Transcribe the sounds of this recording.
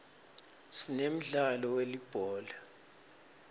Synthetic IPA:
sinem̩ɮalɔwelib̥ʱɔːla

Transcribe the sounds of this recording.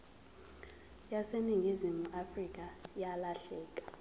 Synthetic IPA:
jaseniŋɡʱizimuʔafrikʼajalaɬɛːkʼḁ

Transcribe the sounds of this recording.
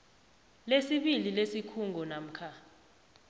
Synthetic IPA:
lesiɓililesikʰuŋɡʱɔnam̩kʰa

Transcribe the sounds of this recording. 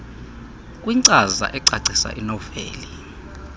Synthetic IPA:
kʼwiǀaza̰ʔɛǀaǀʱisa̰ʔinɔfḛːli

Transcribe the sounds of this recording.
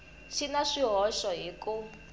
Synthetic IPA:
ʃinaʂiɦɔʃɔɦiku

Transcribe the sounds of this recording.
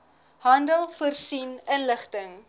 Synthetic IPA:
ɦɐndəlˠfərsinənləχtəŋ

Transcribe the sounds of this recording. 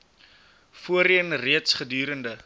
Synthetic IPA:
fuəɾiənriətsχədyːɾəndə

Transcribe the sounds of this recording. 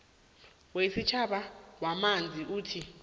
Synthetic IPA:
wesit͡ʃʰaɓawamand͡zʱiʔuːtʰi

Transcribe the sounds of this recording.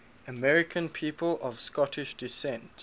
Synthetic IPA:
əmɛɹɪkʰə̃npʰiːpʰəlɔv̥skɔtʰɪʃdɪsɛ̃nt

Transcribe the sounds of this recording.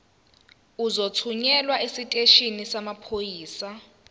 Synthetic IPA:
uzotʰuɲɛlwaʔesitʼeʃinisamapʰojiːsa

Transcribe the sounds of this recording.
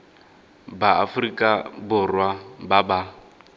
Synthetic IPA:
baa̰frikʼabʊrwababa

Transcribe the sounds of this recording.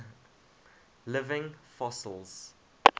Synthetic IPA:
lɪvɪ̃ŋfɔsəlˠz̥

